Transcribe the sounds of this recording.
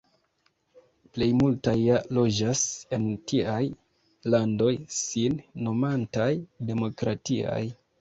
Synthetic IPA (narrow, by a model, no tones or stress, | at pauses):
ple̞jmultajːalo̞d͡ʒase̞ntiaj | lando̞jsinːo̞mantajde̞mo̞kɾatia̰j